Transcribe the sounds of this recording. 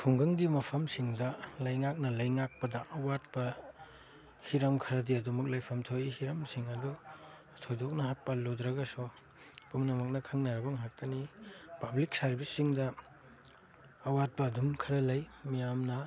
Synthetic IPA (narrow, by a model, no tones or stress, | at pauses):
pʰuŋɡɐŋɡimɐpʰɐmsiŋdɐlɐjŋak̚nɐlɐjŋak̚pɐdɐʔɐwat̚bɐ | hiɾɐmkʰɐɾɐdiɐdumɐk̚lɐjpʰɐmtʰoihiɾɐmsiŋɐdɔ | tʰodɔk̚nɐɦak̚pɐlodɾɐɡɐsɔ | pumnɐmɐk̚nɐkʰɐŋnɐɾɐbɐŋɦak̚tɐnipɐblik̚sɐɾbisːiŋdɐ | wat̚bɐːdumkʰɐɾɐlɐjmijamnɐ